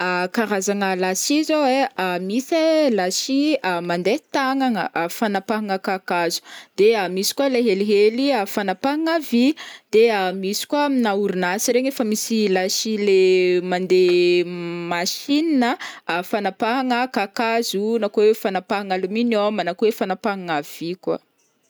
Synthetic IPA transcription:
akaɾazaŋalasizoweamiselaʃiəmand̪et̪aŋaŋəʔfanapaɦaŋəkakazu̥d̪̥eamisi̥kualeɦeliɦeliafanapaɦaŋavid̪̥eamisi̥kuainauɾunasiɾeɲefəmisilaʃilemand̪e | maʃininəfanapaɦaŋəkakazunakoefanapaɦaŋaluminomanakoefanapaɦaŋav̥ikwa̰

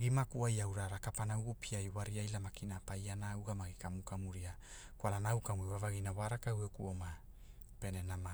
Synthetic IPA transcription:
ɡimakuajawɾaɾakapanauɡupʰiajwaɾiajlamakinapajanaːwɡamaɡikamukamuɾia | kwalanawkamuiwavaɡinawaɾakawekuoma | pe̞nenama

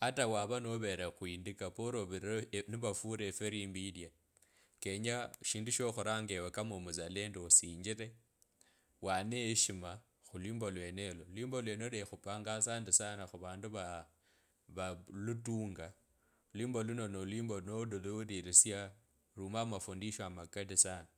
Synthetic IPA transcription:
atawaβanoβeɾaxwiːndikapoɾoβniβafuɾefeɾimbidia | ke̞ɲaʃiːnduʃoxuɾaŋɡewekamomuzale̞ːndeosiːɲd͡ʒiɾe̞ | waneːʃima | xulwiːmbo̞lwe̞nelolwiːmbolweːnelexupaːŋɡasandisanaxuβaːnduβa | βalutuːŋɡa | liːmboluno̞nolwiːmbonodoludiɾisja | ruːmamafundiʃamakadisana

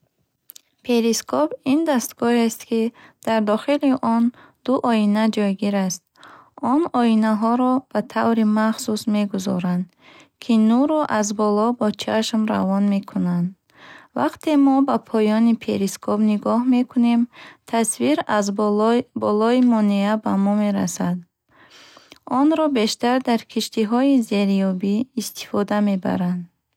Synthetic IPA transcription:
pʰe̞ɾiskʰɔpind̪ast̪ɡɔɦest̪kid̪̥aɾd̪ɔχiliʔɔn | d̪̥uʔɔinad͡ʒɔjɡiɾast̪̚ | ɔnɔinaɦɔɾɔb̥at̪ʰavɾimaχsusme̞ɡuzɔ̰ɾand̪ | kʰinuɾɔʔazbɔlɔbɔt͡ʃʰaʃmɾa̰vɔnme̞kʰunand̪ | va̰qt̪ʰe̞mɔbapʰɔjɔnipʰeɾiskʰɔpniɡɔhme̞kʰune̞mt̪ʰasviɾazbɔlɔimɔneabamɔme̞ɾa̰sad̪ | ɔnɾɔbe̞ʃt̪aɾd̪aɾkʰiʃt̪iɦɔize̞ɾijɔbiːst̪ʰi̥fɔd̪ame̞ba̰ɾand̪

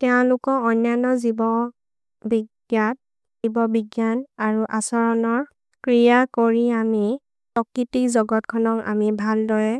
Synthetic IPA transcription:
tɛɔ̃lʊkɔɔnːjanɔzibɔ | biɡjat̚ | ibɔbiɡjanaɹuʔasɔɹɔnɔɹ | kɹijakoɹiami | pɔkitikzɔɡɔtkʰɔnɔka̰mibʱaldɔɹɛ

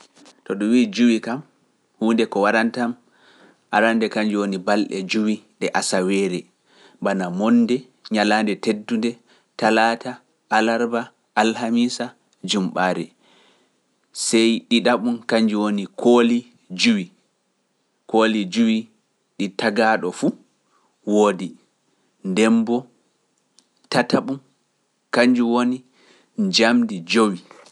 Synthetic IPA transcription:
tɔɗumwiːd͡ʒuwikam | huːndɛkɔwaɾantam | ʔaɾandɛkaɲd͡ʒuwonibalɗɛ̰d͡ʒuwiɗɛʔasawɛːɾɛ | banamɔnːdɛ | ɲalaːndɛtedːundɛ | talaːta | ʔːlaɾba | ʔːlhamisa | d͡ʒumɓaːɾɛ̰ | sɛjɗiɗaɓunkaɲd͡ʒuwonikʰoli | d͡ʒuwi | koːlid͡ʒuwi | ɗitaɡaɗɔfu | woːdi | ndɛmbɔ | tataɓun | kaɲd͡ʒuwoni | d͡ʒamdid͡ʒowi

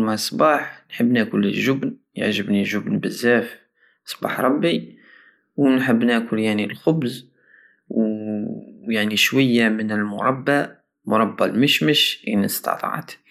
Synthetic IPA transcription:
mæsˤbɑħnħəbːnækʊləʒʊbn | jə̰ʕʒəbniʒʊbnbəzːæf | sˤbɑ̰ħɾˤɑbːi | wnħəbːnækʊljaʕnilxʊbz | w | jaʕniʃwæjːamənəlmʊɾˤɑbːa | mʊɾˤɑbːalməʃməʃʔḭnəst̪ɑ̰t̪ˤɑ̰ʕ̰t̪

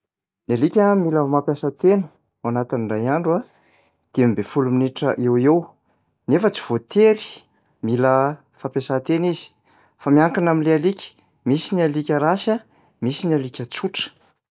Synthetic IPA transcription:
nialikʲəmiləmapjasət̪enu̥ | wanat̪iniɳɖ͡ʐajaɳɖ͡ʐua | d̪̥emibefuluminiʈ͡ʂəʔewew | nefət͡si̥v̥ot̪ʰeli̥ | milə | fapjasat̪enizi̥ | famiaŋkanamilealikʲə̥ | misinialikʲəɾasa | misinalikʲət͡suʈ͡ʂə̥

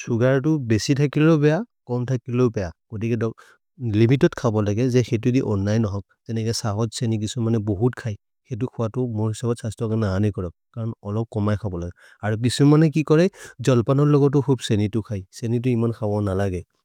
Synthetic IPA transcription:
suɡaɹt̬ʊbesitʰakilobɛjakɔmtʰakiloʊbɛjaɡ̥otikɛdɔ | limitɔtkʰabɔlaɡɛzɛxet̬ʊdiʔɔnːajnɔɦɔk̚z̥ɛnɛkɛsaɦɔzsenik̬isɔmanɛboɦutkʰaj | xejt̬ʊkʰʊwatʊmoɹɦisabɔtsastɔkanaanikɔɹɔk̚kaɹɔnɔlɔp̚kɔmajkʰabɔlaɡɛ | aɹuk̬isumanɛkikɔɹɛzɔlpanɔɹlɔɡɔt̬ʊkʰubsenitʊkʰajsenit̬ʊimankʰabɔnalaɡɛ

